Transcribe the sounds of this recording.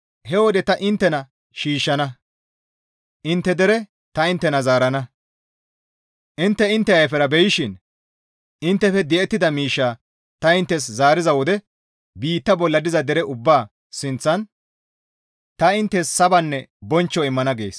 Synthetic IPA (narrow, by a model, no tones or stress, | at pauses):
hɛwɔd̪ɛt̪ɐʔɪnt̪ːɛnɐ | ʃiːʃːɐnɐ | ʔɪnt̪ːɛd̪ɛɾɛ | t̪ɐɪnt̪ːɛnɐzaːɾɐnɐ | ʔɪnt̪ːɛɪnt̪ːɛɐjfɛɾɐbɛjɪʃɪn | ʔɪnt̪ːɛfɛd̪ɛɛt̪ːɪd̪ɐmiːʃːaː | t̪ɐɪnt̪ːɛs̬zaːɾɪzɐwɔd̪ɛ | biːt̪ːɐbɔlːɐd̪ɪzɐd̪ɛɾɛʔʊbːaː | sɪnt͡sːɐn | t̪ɐɪnt̪ːɛssɐbɐnːɛbɔnt͡ʃːɔɪmːɐnɐɡḛːs